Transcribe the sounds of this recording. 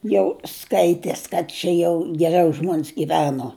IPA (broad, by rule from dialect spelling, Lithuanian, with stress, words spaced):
jɛʊ ˈskɐɪtʲɛs kɐt ˈt͡ʃʲɛ jɛʊ ɡʲɛˈrʲɛʊ ˈʒmoːns ɡʲɪˈʋʲæːnoː